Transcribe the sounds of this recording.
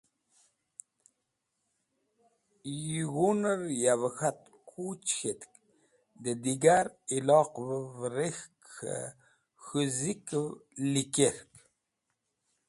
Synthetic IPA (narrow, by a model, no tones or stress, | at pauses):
jiɣunəɾjavəxat̪ | kʰut͡ɕxet̪k | d̪əd̪iɡaɾilɑqvəvɾexkxə̰ | xuzikwlikeɾk